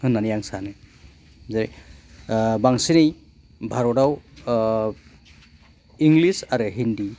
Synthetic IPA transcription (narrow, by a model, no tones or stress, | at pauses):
hɯnːanijaŋsanɯ | zaɾj | baŋsinɯj | bʱaɾɔɾaw | iŋlisaɾɯɦindi